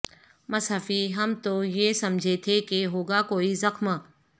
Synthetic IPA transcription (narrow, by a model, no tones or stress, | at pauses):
mɐsɦəfiɦɐmt̪ojesɐmd͡ʒʱet̪ʰekeɦoːɡakoːizɐxmə